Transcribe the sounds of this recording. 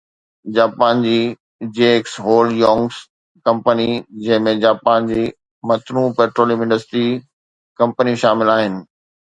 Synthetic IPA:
d͡ʑaːpaːnd͡ʑiː | d͡ʑeːksɦoːljɔ̃ːŋɡs | kɐ̃mpənid͡ʑɐ̃ɦɪ̃mẽd͡ʑaːpaːnd͡ʑiː | mɐt̪ɾũpeːʈɾoːlɪ̃mɪ̃ɳɖəsʈɾi | kɐ̃mpənijũʃaːmɪlaːɦɪnɪ̆

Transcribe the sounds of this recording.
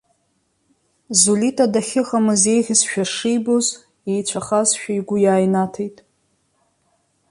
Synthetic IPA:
zulitʰʼadaχʲɪχamɨze̞jʁʲɪzʃᶣaʂijboz | ejt͡ʃʷʰaχazʃᶣaiɡʷʊjaːjnatʰejtʼ

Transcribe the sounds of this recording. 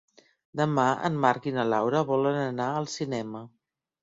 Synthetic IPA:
d̪əmaə̰mːaɾkinəlawɾəβɔlənənaəlˠsinɛmə

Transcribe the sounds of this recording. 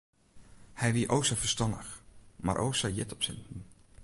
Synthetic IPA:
hɛjʋiəʔowsafərstɑndəxma̰ɾʔo̰wsajɪtɔpsɪ̰ntn̩

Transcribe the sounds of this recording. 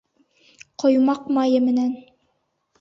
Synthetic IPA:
qŏjmɑqmɑjɤmɘ̆næn

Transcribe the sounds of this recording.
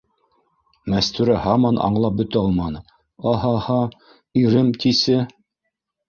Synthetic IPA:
mæst̪ʉɾæhɑmɑnʔɑ̰ɴlˠɑp̚bɵ̆t̪æɑlˠmɑnɤ | ɑɦɑhɑ | iɾɘmt̪isɘ

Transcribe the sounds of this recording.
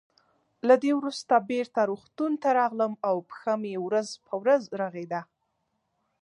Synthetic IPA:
lad̪ewɾust̪abeɾt̪aɾoxt̪unt̪aɾɑɣləmawpə̥xamjewɾazpʰəwɾazɾaɣed̪a

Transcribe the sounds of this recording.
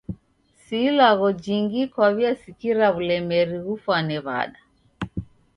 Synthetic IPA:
silaɣɔd͡ʒiŋɡikwaβiasikiɾaβulɛmɛɾiɣufwanɛβa̰ɗa

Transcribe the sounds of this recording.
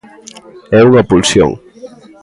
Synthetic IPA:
ɛuŋɐpulsjo̰ŋ

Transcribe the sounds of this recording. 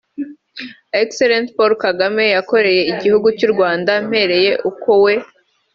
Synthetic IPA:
ekseɾentpoɾkaɡame̞jako̞ɾe̞je̞iɟihuɡucuɾɡwaːndam̥he̞ɾe̞je̞ʔuko̞we̞

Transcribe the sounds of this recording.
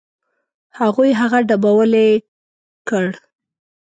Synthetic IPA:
haɣujɦaɣaɖabawəle | kəɽ

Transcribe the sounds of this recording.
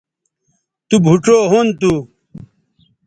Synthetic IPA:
t̪ubʱuʈ͡ʂoːɦont̪u

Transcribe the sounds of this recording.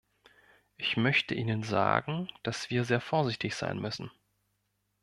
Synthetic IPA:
ʔɪçmœçtəʔiːnənza̰ːɡŋ̩d̥asv̥iːɐzeːɐfoːɐzɪçtɪçz̥a̰ɪnmʏsn̩

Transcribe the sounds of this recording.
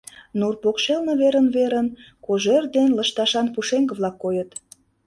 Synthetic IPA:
nurpokʃelnə̆βeɾənβeɾən | koʒerd̪enləʃt̪ɑʃɑnpuʃeŋɡə̆βlɑkːojət̪

